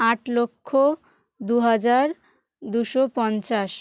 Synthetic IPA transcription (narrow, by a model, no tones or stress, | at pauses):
aʈlokʰːo | d̪uɦad͡ʑaɾ | d̪uʃopɔnt͡ɕaʃ